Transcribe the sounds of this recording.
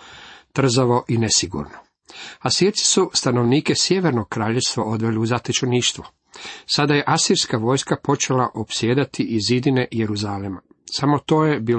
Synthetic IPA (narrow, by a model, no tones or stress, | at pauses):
t̪r̩zaʋo̞ʔinesiɡṵɾno | asiɾt̪si̥sust̪anoʋniːkesjeʋe̞ɾnoɡ̚kɾaːʎest̪ʋaʔo̞d̪ʋe̞liuzat̪et͡ʃoniːʃt̪ʋo | sad̪aje̞ʔasiɾskaʋo̞ːjskapo̞t͡ʃe̞laʔo̞psijeːd̪at̪iʔizid̪ine̞jeɾuzalema | samo̞t̪o̞ːjebiː